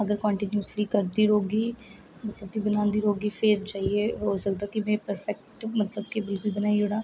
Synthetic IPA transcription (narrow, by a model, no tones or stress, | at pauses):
ɐɡəɾkɔ̃ːɳʈɪnjuːslikəɾd̪iːɾoːɡiː | mɐt̪ləb̚kibɐnaːnd̪iːɾoːɡiːfʰɪɾt͡ʃaːɦieoːsəɡd̪aːkimɛ̃ːpəɾfɛk̚ʈmɐt̪ləb̚kibɪlkʊlbənaːiɦoɽãː